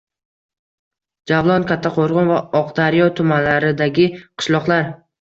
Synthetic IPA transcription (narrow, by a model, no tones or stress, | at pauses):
d͡ʒavlˠɒnkʲʰat̪ʰːaqʰoɾʁʊnvaɒqd̪aɾjɒt̪ʰʊmanlaɾɪd̪aɡʲɪqʰɨ̥ʃlˠɒqlˠaɾ